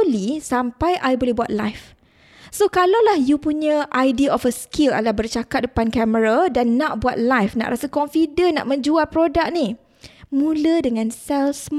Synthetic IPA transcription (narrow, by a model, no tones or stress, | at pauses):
lisampajʔajbolɛhbuat̪̚la̰jf | sokalawlahjupuɲãʔajdiaɔfəskʰila̰lahbərt͡ʃakat̪̚dəpankɛməɾadanːãʔ̚buat̪̚lajfna̰ʔɾasakɔɱfidəna̰ʔmə̃ɲd͡ʒualpɾodak̚ni | mũlədəŋãnsɛlsm